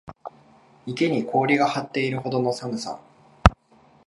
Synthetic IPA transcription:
ike̞ɲ̟ikʰo̞ːɾʲiɡahat̪ːe̞iɾɯ̟ho̞d̪o̞no̞samɯ̟sa̰

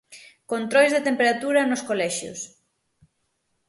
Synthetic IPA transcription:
kont̪ɾojzðet̪empeɾat̪uɾɐnoskolɛʃjʊ̰s

